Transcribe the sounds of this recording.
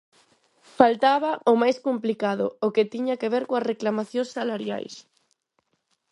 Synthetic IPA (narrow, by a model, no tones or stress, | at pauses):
falt̪aβ̞ɐʊmajskomplikaðʊ̰ʊket̪iɲakeβeɾkoɐsreklamaθjõŋsalaɾja̰js